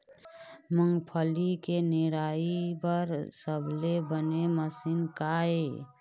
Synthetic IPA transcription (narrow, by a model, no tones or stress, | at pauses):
məŋɡpʰəlikeneɾaibəɾsəbʱlebəneməsiːnkae